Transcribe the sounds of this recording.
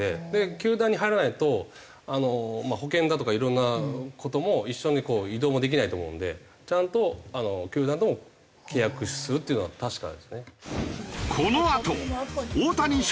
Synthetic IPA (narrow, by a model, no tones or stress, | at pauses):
ed̪e̞kʲɨːd̪ãɲ̟ːiɦaiɾanait̪o̞ | ano̞maho̞kẽ̞nd̪at̪o̞kaiɾõ̞nːakʰo̞t̪o̞mo̞iɕːo̞ɲ̟iko̞ːid̪o̞ːmo̞d̪e̞k̬ʲinait̪oːmo̞ɯ̰̃nd̪e̞̰ | t͡ɕãnt̪oano̞kʲɨːd̪ãnt̪̬omo | kʰe̞ːjakɯ̟ɕi̥sɨɾɯ̟t̪ːeiɯ̟noat̪aɕi̥ka̰d̪e̞̰sɨne̞ | kʰonoat̪ooːt̪aɲ̟i